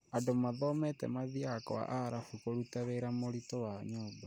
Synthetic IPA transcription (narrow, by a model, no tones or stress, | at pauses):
adomaðɔmɛtɛ̰maðiakɔ̰wa̰ʔaɾafukoɾutaβeːɾamoɾitowaɲɔːba